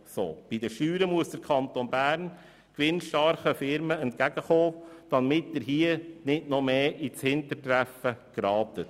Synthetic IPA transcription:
so̰ːb̥id̪əʃyːɾəmuəsd̥əɾkʰɑnt̪onbæːɾn | kʋɪnʃtɑɾχəfɪɾməɛntkæɡəχoːd̪̥ɑmɪtdɪɾɦiːənɪdnɔmeːʔit͡shɪntətɾæfəɡ̥ɾɑːtət

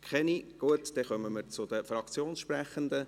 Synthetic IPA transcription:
kʰχɛniɡ̥uətd̥̪ɛχœməməɾt͡sʊd̥̪əfrɑkt͡sjoːnsʃprɛχənd̪ə

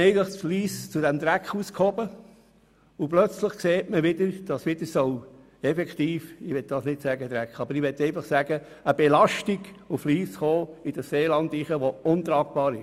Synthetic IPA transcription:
ɛɪɡənləχsfliːst͡sudɛmd̪ɾækχuːskhobə | uplœt͡sləχkseːtməʋɪd̥̪əɾd̥ɑsʋɪd̥̪əsɔw | ɛfɛkχt̪iːfɪʋɛt̪̚d̥ɑsnɪtsæɡəd̥̪ɾækχɑbəɾɪʋɛt̪ːɛɪnfɑχsæɡ̥ə | əb̥ɛlɑʃtiɡ | ufliːsχoːɪd̥əsseːlɑnd̪iχəʋoʊnt̪ɾɑːɡ̥̚b̥ɑːɾɪʃ

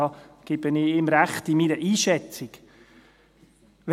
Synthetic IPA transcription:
ɑɡ̥ɪbənɪɪmɾæχtimiɾəʔiːʃɛt͡sɪk | ʋ

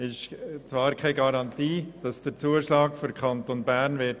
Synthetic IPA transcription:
ɪʃt͡svɑːɾkʰaɪɡɑɾɑntiːd̥ɑsd̥əɾt͡suːəʃlɑːkfyɾkʰɑntonbænʋɪt

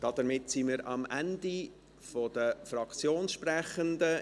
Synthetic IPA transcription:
d̥ɑd̥̪əmɪtsiməɾɑmæ̰ndi | fod̥əfrɑkt͡sjoːnsʃpræχənd̪ə

